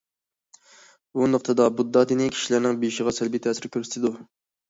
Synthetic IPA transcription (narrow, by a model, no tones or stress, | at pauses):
bunɨq̚t̪ʰɨd̪ɑbud̪ːɑd̪ɨnɪkʲʰi̥ʃilæɾnɪŋbeʃiʁɑsælbit̪ʰɛsɪɾkʲʰøɾsɪ̥t̪ʰɪd̪u